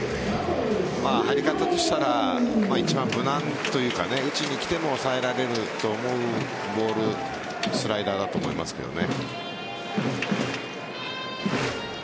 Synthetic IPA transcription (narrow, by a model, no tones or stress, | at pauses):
maːhaɾʲikat̪at̪o̞ɕi̥t̪aɾamait͡ɕibãmbɯ̟nãnt̪o̞jɯ̟ːka̰ne̞ɯ̟t͡ɕiɲ̟ikʲi̥t̪e̞mo̞ːsae̞ɾaɾe̞ɾɯ̟t̪o̞ːmo̞ɯ̟ | bo̞ːɾɯ̟ | sɨɾaid̪aːd̪at̪oːmo̞̰ima̰sɨ̥ke̞̰d̪o̞̰nḛ